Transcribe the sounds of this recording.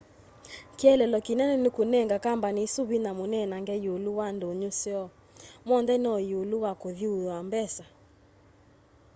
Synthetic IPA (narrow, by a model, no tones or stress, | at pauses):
kiɛlɛlɔkinɛnɛnekunɛŋɡakambanisuβinamonɛnaŋɡɛjoluwandoɲusjɔ | mɔndɛnɔjoluwakoðiujambɛsa